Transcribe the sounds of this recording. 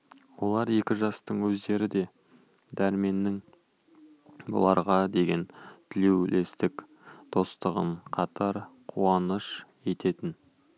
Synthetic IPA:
wo̞lˠɑɾje̞kʲɪʒɑst̪əɴwɵzd̪e̞ɾɪd̪e̞ | d̪æɾme̞nːɪŋ | bo̰lˠɑɾʁɑd̪e̞ɡʲe̞nt̪ʰɪlewle̞st̪ɪk | d̪̥o̞st̪əʁə̰ɴqʰɑt̪ʰɑɾqʰuɑnəʃ | e̞t̪e̞t̪ɪn

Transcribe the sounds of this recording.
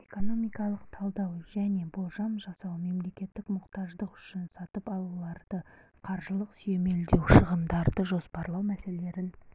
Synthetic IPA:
e̞ko̞no̞mijkɑlˠəqt̪ʰɑlˠd̪ɑwʒ̥æne̞bolˠʒɑmʒɑsɑwme̞mle̞kʲe̞t̪ːɪkmʊqt̪ɑʒd̪əqʏ̥ʃɪnsɑt̪əpɑlˠulˠɑɾd̪̥ə | qʰɑɾʒəlˠəqsyje̞me̞ld̪e̞wʃəʁəmd̪ɑɾd̪əʒo̞spɑɾlˠɑwmæse̞lee̞ɾɪn

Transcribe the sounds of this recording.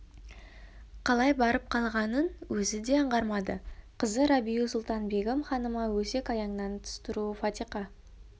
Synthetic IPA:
qʰɑlˠɑjbɑɾəp̚qʰɑlˠʁɑnənwɵzɪd̪e̞əɴʁɑɾmɑd̪əqʰəzəɾɑbijusʊlˠt̪ɑnbe̞ɡəmχɑnəmɑwɵse̞kɑjɑɴnɑnt̪ʰʊ̥st̪əɾuəfɑt̪ijqɑ

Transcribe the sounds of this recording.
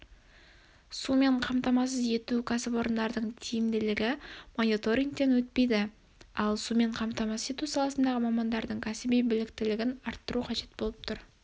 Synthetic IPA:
sume̞ɴqʰɑmt̪ɑmɑs̬əze̞t̪ukʰɑsɪpwo̞ɾənd̪ɑɾd̪əɴt̪ʰijɪmd̪ɪlɪɡʲɪmo̞nit̪o̞ɾʲiŋk̚t̪e̞nwɵt̪̚pe̞jd̪ɪ | ɑlˠsume̞ɴqʰɑmt̪ɑmɑsəze̞t̪usɑlˠɑsənd̪ɑʁəmɑmɑnd̪ɑɾd̪əɴkʲʰæsɪbijbɪlɪkt̪ɪlɪɡʲɪnɑɾt̪ːəɾuqʰɑʒe̞t̪̚bo̞lˠəp̚t̪ʰʊɾ

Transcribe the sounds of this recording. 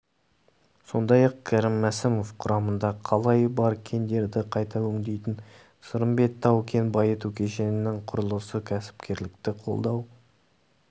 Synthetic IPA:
so̞̰nd̪ɑjɑq̚kʲʰæɾɪmːæsɪmo̞fqʰʊɾʔɑmənd̪ɑqʰɑlˠɑjbɑɾkʲʰe̞nd̪e̞ɾd̪ɪqʰɑjt̪ɑwɵŋd̪e̞jt̪ɪn | səɾəmbe̞k̚t̪ʰːɑwkʲʰe̞nbɑjət̪ukʲʰe̞ʃe̞nɪnɪŋqʰʊɾəlˠəsəkʲʰæsɪ̥p̚kʲʰe̞ɾlɪk̚t̪ɪqʰo̞̰lˠd̪ɑw

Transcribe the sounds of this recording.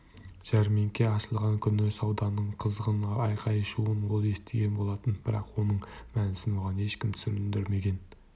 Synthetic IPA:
ʒ̥æɾmeŋkʲe̞ɑʃəlˠʁɑŋkʲʰʏnɪsɑwd̪ɑnːəɴqʰəzəʁənɑjqʰɑjəʃuənwolˠe̞st̪e̞ɡʲe̞nbo̞lˠɑt̪ənbɪɾɑ̰qwo̞nəɴmænɪsɪnwoʁɑne̞ʃkʲɪmt̪ʰʏ̥sʏɾɪnd̪ɪɾme̞ɡʲe̞n

